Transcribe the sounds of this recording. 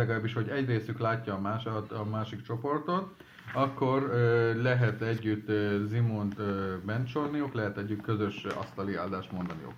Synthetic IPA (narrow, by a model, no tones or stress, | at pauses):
ɛɡɒlaːbːiʃho̞ɟɛɟreːsyklaːcːɒːmaːʃt̪ɒmaːʃikt͡ʃo̞po̞rt̪o̞t̪ | ɒkːo̞rølɛɦɛt̪ɛɟːyt̪ːzimont̪øbɛnt͡ʃo̞lnijoklɛɦɛt̪ɛɟːyt̪kø̞zø̞ʃɒ̰st̪ɒlia̰ːld̪aːʃt̪mo̞nd̪ɒnijo̰k